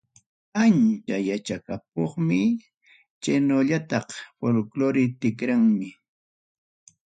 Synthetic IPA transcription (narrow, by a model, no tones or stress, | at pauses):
ant͡ʃajat͡ʃakap̚oχmɪ | t͡ʃanoʎat̪ɑχfolkloɾɪt̪ɪkɾaŋmɪ